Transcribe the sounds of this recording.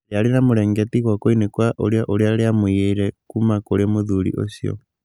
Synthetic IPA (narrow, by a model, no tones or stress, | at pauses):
jalinamuɾeŋɡetikwakoinekwaʔoɾjaʔolialiamuieiɾekumakoɾemuðulḭʔo̰sjo̰